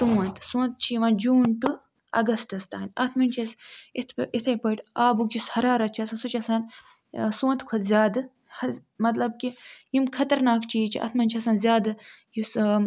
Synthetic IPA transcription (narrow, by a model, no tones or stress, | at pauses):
t̪uːɐnt̪ʰsũːnt̪̚t͡ʃʰiʋãːnd͡ʒuːnʈɨ | ɐ̰ɡɐsʈɐst̪aːnʲʔɐt̪ʰmɐnʲt͡ʃʰɐsit̪ʰit̪ʰɐjpojʈaːbukjushɐɾaːɾɐt͡ʃʰiɐsansut͡ʃʰiɐsaːn | sõːnt̪kʰɐt̪zʲjaːd̪ɨ | hɐmɐt̪lɐb̚kijimkʰɐt̪ɐɾnaːkt͡ʃʰit͡ʃʰiʔɐ̰t̪ʰmɐnʲt͡ʃʰiɐsaːnzʲjaːd̪ɨjus